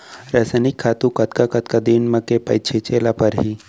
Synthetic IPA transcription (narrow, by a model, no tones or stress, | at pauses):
ɾɐsanɪkʰːaːt̪ũkɐt̪kakɐt̪kad̪iːnmɐkepɐjt͡ʃʰet͡ʃeːlapəɾɦiː